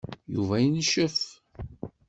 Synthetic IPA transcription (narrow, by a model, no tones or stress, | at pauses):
jṵvæjənʃəf